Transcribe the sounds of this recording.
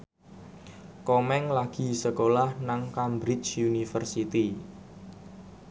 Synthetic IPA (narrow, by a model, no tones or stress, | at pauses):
komɛŋlaɡ̥i̤səkolahnaŋkambɾɪt͡ʃunifərsit̪i